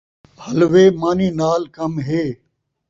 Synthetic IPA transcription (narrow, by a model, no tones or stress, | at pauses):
hɐlʋeːmaːniːnaːlkɐmɦeː